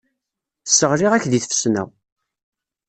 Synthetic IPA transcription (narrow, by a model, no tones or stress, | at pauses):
əsːəʁɾiʁæçðiθfə̥snæ̰w